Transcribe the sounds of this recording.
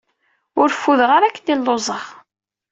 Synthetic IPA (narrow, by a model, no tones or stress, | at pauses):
ʊɾfːuðʁaɾækːənilːozˤəʁ